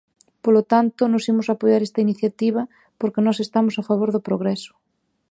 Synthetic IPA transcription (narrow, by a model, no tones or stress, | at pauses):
polot̪ant̪onosimosapojaɾest̪ainiθjat̪iβ̞ɐ | poɾkenɔsest̪amosafaβ̞oɾðopɾoɣ̞ɾɛso̥